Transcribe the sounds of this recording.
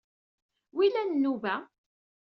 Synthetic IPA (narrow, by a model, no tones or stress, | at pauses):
wilænnːuvæ